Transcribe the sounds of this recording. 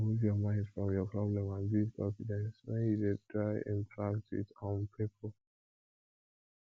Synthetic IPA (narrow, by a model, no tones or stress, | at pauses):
muvjɔmãɪ̃ndfɹɔ̃mjɔpʰɹɔblɛ̃mãnbipʰɔfidɛ̃nswɛ̃njudetɹaɪɛ̰̃npʰɹaktʰḭsɔ̃npʰipʰəl